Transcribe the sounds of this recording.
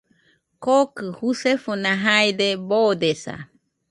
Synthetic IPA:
kokɯhusefonaɦajd̪ebod̪esa̰

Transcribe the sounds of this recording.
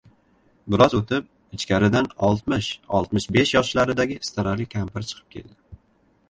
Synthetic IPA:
bɪɾɒzot̪ʰɪp̚ | ɪt͡ʃkʲaɾɪd̪anɒlˠt̪mɪʃɒ̰lˠt̪mɪʃbe̞ʃjɒʃlaɾɪd̪aɡʲɪst̪ɪɾalikʲʰampɪɾt͡ʃʰɨ̥qʰɨ̥p̚kʲʰe̞̰ld̪ɪ

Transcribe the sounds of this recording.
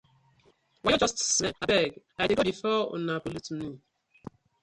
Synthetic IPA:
waɔd͡ʒɔstsmɛabɛɡ | ajdiɡodifɔɔ̰napolitnĩ

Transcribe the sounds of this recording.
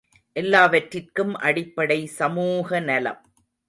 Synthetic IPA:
ʔɛlːaːʋɐʈrɪrkɯmʔɐɽɪpːɐɽɐɪsɐmuːɣɐnɐlɐ̰m

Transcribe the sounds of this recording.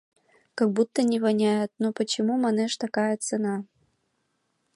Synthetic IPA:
kaɡ̚but̪ːɐnʲivanʲajɐt̪nopət͡ɕɪmumaneʂt̪akajɐt̪t͡senɑ

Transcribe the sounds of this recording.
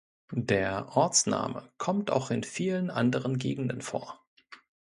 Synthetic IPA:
deːɐʔɔɐt͡sna̰ːməkʰɔmta̰ʊxɪnfiːlənʔandəʁ̞ənɡeːɡŋ̩dənfo̰ːɐ

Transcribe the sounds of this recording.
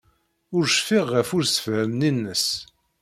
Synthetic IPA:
ʊɾʃfiʁːəfʊɾsə̥fhəmninːəs

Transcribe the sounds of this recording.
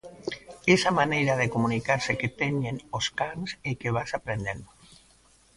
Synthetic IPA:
esamanejɾaðekomunikaɾseket̪eɲenoskansekeβ̞asapɾend̪en

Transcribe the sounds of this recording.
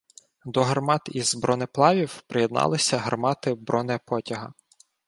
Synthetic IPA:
d̪ɔɦɐrmɑt̪izbɾɔnɪplˠɑʋʲiwpɾejed̪nɑ̰lˠɪsʲɐɦɐrmɑt̪ɪbɾʔɔnɛpɔtʲɐɦɐ̰

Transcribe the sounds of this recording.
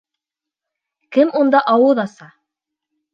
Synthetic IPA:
kɘmund̪ɑʔɑwɤðɑsɑ

